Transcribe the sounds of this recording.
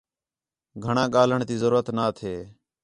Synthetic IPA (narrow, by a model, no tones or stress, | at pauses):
ɡʱəɳãːɠaːləɳt̪iːzəɾuːɾət̪naːt̪ʰeː